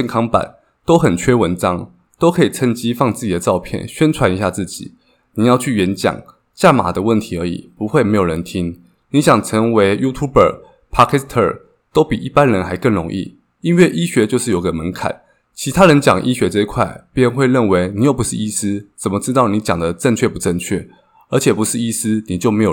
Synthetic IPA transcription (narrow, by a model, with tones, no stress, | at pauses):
ɛ˥˧nkʰɑ˥ŋpa̰˨˩˦n | t̪o˥ʊxə˨˩nt͡ɕʰɥɛ˥wə˧˥nʈ͡ʂɑ˥ŋ | t̪o˥ʊkʰɤ˧˥i˨˩t͡sʰə˥nt͡ɕi˥fɑ˥˧ŋt͡sɹ̩˥˩t͡ɕi˨d̪ə˦ʈ͡ʂɑ˥˧ʊpʰjɛ̰˥˩nɕɥɛ˥nt͡sʰwa˧˦ni˧˥ɕja˥˧t͡sɹ̩˥˩t͡ɕḭ˨˩˦ | ni˨˩jɑ˥˧ʊt͡ɕʰy˥˩ɥɛ˧˥nt͡ɕjɑ̰˨˩ŋ | t͡ɕja˥˩ma̰˨˩d̪ə˦wə˥˩nt̪ʰi˧˥ə˞˧˥ḭ˨˩pu˧˥xwe˥˩ɪme˧˥jo˨˩ɻə˧˦nt̪ʰi˥ŋ | ni˨˦ɕjɑ˨˩ŋt͡sʰə˧˥ŋwe˧˦˥ɪju˦˥t̪ʰu˥bə̰˨˩ | pʰa˥kʰɛ˥st̪ʰə̰˞˥˨˩ | t̪o˥ʊpi˨˩ʔi˥˩pa˦nɻə˧˥nxa˧˥ɪkə˥˩nɻʊ˧˥ŋʔḭ˥˩ | i˦nwe˥˩ɪʔi˥ɕɥɛ˧˥t͡ɕjo˥˧ʊʂɻ̩˥˩jo˨˩ɡə˧mə˧˦nkʰa̰˨˩˦n | t͡ɕʰi˧˥t̪ʰa˥ɻə˧˦nt͡ɕjɑ˨˩ŋʔi˦ɕɥɛ˧˥ʈ͡ʂə˥˧i˧˥kʰwa˥˩ɪpjɛ˥˧nxwe˥˧ɪɻə˥˩nwe˧˥ɪni˨˩jo˨˩ʊpu˧˦ʂɻ̩˥˨i˥sɹ̩˥t͡sə˨˩nmə˦ʈ͡ʂɻ̩˥t̪ɑ˥˩ʊni˧˥t͡ɕjɑ˨˩ŋd̪ə˦ʈ͡ʂə˥˧ŋt͡ɕʰɥɛ˥˩pu˧˥ʈ͡ʂə˥˧nt͡ɕʰɥɛ̰˥˩ | ə˞˧˥t͡ɕʰjɛ˨˩pu˧˥ʂɻ̩˥˩i˥sɹ̩˥ni˨˩t͡ɕjo˥˩ʊme˧˥jo˨